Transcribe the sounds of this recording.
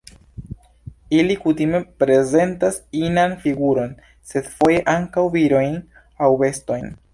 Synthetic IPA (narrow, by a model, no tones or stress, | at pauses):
ilikutime̞pɾe̞ze̞ntasinanfiɡuɾo̞n | se̞dfo̞je̞ʔaŋkawviɾo̞jn | awbe̞sto̞jn